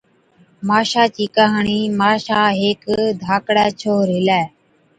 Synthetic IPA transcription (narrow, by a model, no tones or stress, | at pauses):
maːʃaːt͡ʃiːkaːɦɳiːmaːʃaːɦeːkd̪ʱaːkɽɛːt͡ʃʰoːɾɪlɛː